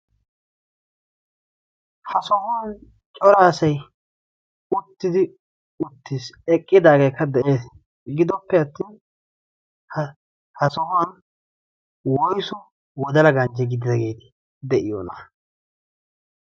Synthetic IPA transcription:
hɐsɔhʊwan | t͡ʃʼɔɾaːsɐj | ʊt̪ːɪd̪ɪ | ʊt̪ːisɛkʼːɪd̪aːɡejkːɐd̪ɛʔe̞ːs | ɡɪd̪ɔpːɛɐt̪ːiːn | h | hɐsɔhʊwɐn | wɔjsɔ | wɔd̪ɐlɐɡɐnd͡ʒɛɡɪd̪ɪd̪ɐɡe̞ːt̪ɪ̥ | d̪ɛʔɪjo̰ːnɐ

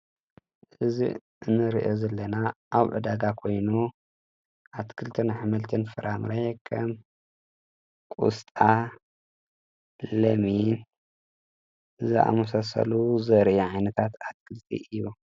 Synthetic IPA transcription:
ʔɨzḭ | ɨnːɨɾḭʔozɐlːɐnaʔaβʕɨ̰d̪aɡakʰo̞jnu | ʔat̪kʰɨlt̪ʰɨnħmɐlt̪ʰɨnfɐɾʔamɾekʰɐ̰m | kʼṵst̪ʼa | lɐmin | zɨʔa̰mɐsasɐ̰luzɐɾʔiʕajnɐt̪ʰat̪at̪̚kʰɨlt̪ʰḭʔɨjːu

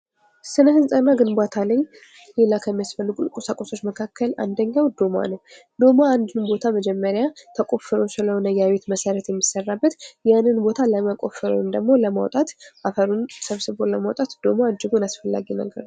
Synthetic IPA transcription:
sɨnəhɨzt̪ʼənːaɡɨnbat̪ʰaləɲː | le̞lakʰəmːijasfəlːɨɡʼukʼosakʼːoso̞t͡ʃːməkʰakːəlʔa̰nd̪əɲːawd̪o̞ma̰nəw | d̪o̞maːnd̪ɨnbo̞t̪ʰaməd͡ʒɛmːəɾjat̪ʰəkʼo̞fɨɾo̞sɨləhonəjaβe̞t̪məsəɾət̪jɛmːisərːabːət̪janːɨnbo̞t̪ʰaləməkʼo̞̰fɨɾo̰nd̪əɡmo̞ləma̰wt̪ʼat̪ʔafəɾunsəβsɨbo̞ləmawt̪ʼat̪d̪̥o̞maːd͡ʒɪɡonasfəlːa̰ɡinə̰ɡə̰ɾ

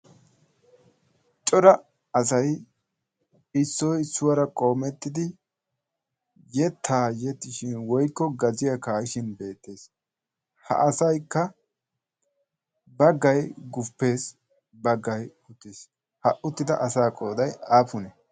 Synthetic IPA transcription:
t͡ʃʼɔɾɐ | ɐs̬ɐj | ɪsːɔjsːʊwɐɾɐkʼo̞ːmɛt̪ːɪd̪ɪ | jɛt̪ʰːaːjɛt̪ːɪʃɪnwɔjkːɔɡɐzɪjɐkaːjɪʃɪnbe̞ːt̪ːe̞ːs | hɐ̰ʔɐsɐjkːɐ | bɐɡːɐjɡʊpːe̞ːs | bɐɡːɐj | ʊt̪ːɪs | hɐʔʊt̪ːɪd̪ɐ̰ʔɐsaːkʼo̞ːd̪ɐjaːfʊnɛ

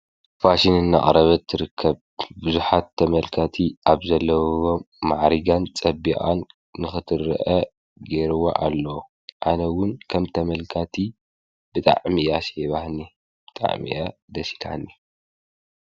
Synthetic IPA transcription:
faʃinɨnːa̰χʼɾɐβɐt̪ʰːɨɾɨkʰːɐβ | bɨzuħat̪ʰːɐmɐlkʰat̪ʰiʔaβzɐlːɐwwo | maʕɾiɡant͡sʼɐbiʔʼa̰nː | ɨxɨt̪ʰɨrɐ̰ʔɐ | ɡeɾɨwo̰ʔalːɐ | ʔanɐwʊnkʰɐmt̪ʰɐmɐlkʰat̪ʰi | bɨt̪ʼa̰ʕmiʔaseβahni | b̥ɨt̪ʼa̰ʕmḭʔa | d̪ɐsi̥la̰nːi

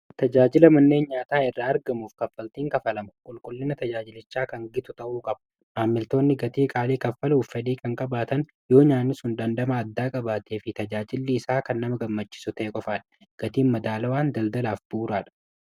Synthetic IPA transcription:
t̪ɐd͡ʒaːd͡ʒɪlɐmɐnːeːnɲaːt̪aːɪrːaːɐɾɡɐmuːfkɐfːɐlt̪iːŋkɐfɐlɐmɐkʼʊlkʼʊlːɪnɐt̪ɐd͡ʒaːd͡ʒɪlɪt͡ʃːaːkɐŋɡɪt̪ʊt̪ɐʔuːkʼɐb̥ | maːmːɪlt̪o̞ːnːɪɡɐt̪iːkʼaːleːkɐfːɐluːfːɛᶑiːkɐŋkʼɐbaːt̪ɐn | jo̞ːɲaːnːɪsʊnd̪ɐnd̪ɐmaːd̪ːaːkʼɐbaːt̪eːfɪt̪ɐd͡ʒaːd͡ʒɪlːɪːsaːkɐnːɐmɐɡɐmːɐt͡ʃːɪ̥sʊt̪ɐʔɛkʼɔfaːᶑɐ̥ɡ̥ɐt̪iːnmɐd̪aːlɐwaːnd̪ɐld̪ɐlaːfbuːɾaːᶑɐ̥

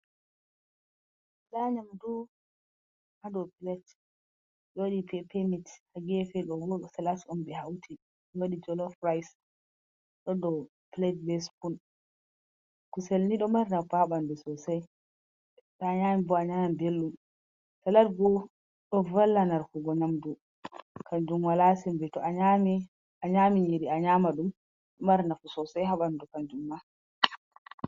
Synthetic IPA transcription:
ɗaɲamdu | hadɔpilɛt | joɗipɛpʰemithaɡɛfɛɗɔwɔsalatɔnbɛhawtʰi | joɗid͡ʒɔlɔfɾajs | ɗɔdɔ | plɛdbɛspun | kuselniɗɔmaɾnafaɓandɛsɔsaj | ɗaɲamibɔaɲamambelːum | talaɾɡɔ | ɗɔvalːanaɾkuɡɔɲamdu | kʰand͡ʒumwalasɛmbɛtɔaɲami | aɲamiɲiɾiaɲamaɗum | maɾnafusɔsɛjɦaɓandukand͡ʒumːa

